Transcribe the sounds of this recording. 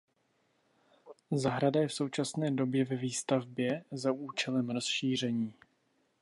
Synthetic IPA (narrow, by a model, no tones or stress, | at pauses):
zaɦɾadajɛfso̞wt͡ʃasnɛːdo̞bjɛvɛviːst̪avbjɛzauːt͡ʃɛlɛmɾo̞sʃiːr̝ɛɲiː